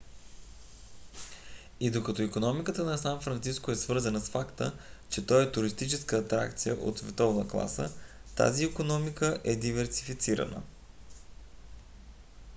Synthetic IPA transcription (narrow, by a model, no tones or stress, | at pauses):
id̪okɐt̪oikonɔmikət̪ənɐsanfɾɐnt̪siskoɛsvɤɾzənəsfakt̪ə̰t͡ʃɛt̪ɔjɛt̪ʊɾist̪it͡ʃɛskəːt̪ɾa̰kt̪sijəʔo̰t̪svɛt̪ɔvnəklˠa̰sət̪a̰ziːkonɔmikəʔɛd̪ivɛɾsifit̪siɾə̰nə̰